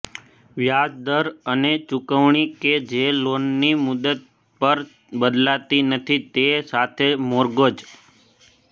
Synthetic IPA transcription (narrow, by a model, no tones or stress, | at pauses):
ʋjad͡ʒd̪əɾənet͡ʃukəʋɳiked͡ʒelonːimud̪ət̪̚ | pəɾ | bəd̪lat̪inət̪ʰit̪esat̪ʰemoɾɡod͡ʒ